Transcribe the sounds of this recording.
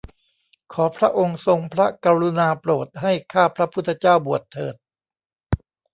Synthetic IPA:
kʰɔː˩˦pʰɾa˦˥ʔo˧ŋso˧ŋpʰɾa˦˥kaː˧ɾu˧naː˧pɾoː˨˩t̪̚ɦa˥˩jkʰaː˥˩pʰɾa˦˥pʰu˥˩t̪ʰːt͡ɕaː˥˩wbu˨˩ət̪ʰːɤː˨˩t̪̚

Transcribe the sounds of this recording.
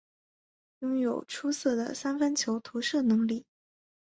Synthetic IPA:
jʊ˥ŋjo˨˩ʊʈ͡ʂʰu˥sɤ˥˩d̪ə̰˩sa˥nfə˥nt͡ɕʰjo˧˥ʊt̪ʰu˧˥ʂɤ˥˩nɤ˧˥ŋli˥˩

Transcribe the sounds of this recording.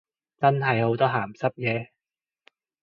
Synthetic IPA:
t͡sɐ˥nɦɐ˨jho˨˥wt̪ɔː˥ɦaː˨˩msɐ˥p̚jɛː˨˧

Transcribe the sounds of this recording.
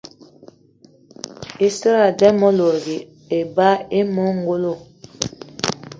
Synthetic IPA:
i˦si˦ɾa˨dɛ˦mɔ˦lo˨ɾi˨ | e˨ba˦e˦mɔ˦ŋ˦ɡo˦lo˦˨

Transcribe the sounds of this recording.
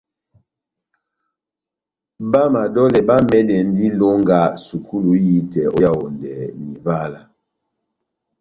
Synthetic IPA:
ba˦ma˨dɔ˦lɛ˨ba˦mɛ˦dɛ˨n˦di˦lo˦ŋɡa˦su˨ku˦lu˨ji˦tɛ˨ɔ˦ja˦wo˨ndɛ˨ni˨va˦la˨

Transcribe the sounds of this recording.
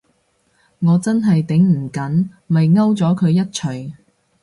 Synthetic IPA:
ŋɔː˨˧t͡sɐ˥nɦɐ˨jt̪ɪ˨˥ŋm̩˨˩kɐ˨˥n | mɐ˨jŋɐ˥wt͡sɔː˨˥kʰɵ˨˧ɥjɐ˥t̚t͡ʃʰɵ˨˩ɥ

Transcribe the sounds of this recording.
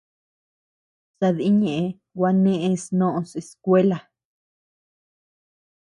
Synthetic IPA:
sa˧ði˦ɲẽ˨ʔẽ˧ | ɡwa˧nẽ˦ʔẽ˧snõ˦ʔõ˧se˧skʷe˦la˨

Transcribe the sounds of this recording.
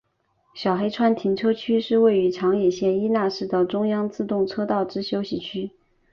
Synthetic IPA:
ɕjɑ˨˩ʊxe˥ɪʈ͡ʂʰwa˥nt̪ʰi˧˥nʈ͡ʂʰɤ˥t͡ɕʰy˥ʂɻ̩˥˧we˥˩ɪy˧˥ʈ͡ʂʰɑ˧˥ŋjɛ˨˩ɕjɛ˥˩ni˥na˥˧ʂɻ̩˥˩d̪ə˩ʈ͡ʂʊ˥ŋjɑ˥ŋt͡sɹ̩˥˧t̪ʊ˥˩ŋʈ͡ʂʰɤ˥t̪ɑ˥˩ʊʈ͡ʂɻ̩˥ɕjo˥ʊɕi˨˩t͡ɕʰy˥

